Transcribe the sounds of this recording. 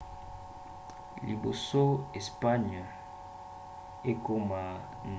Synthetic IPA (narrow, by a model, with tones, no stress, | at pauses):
li˨bo̰˨so˦e˨spa˦ɲ˨ | e˦ko˦ma˨ | n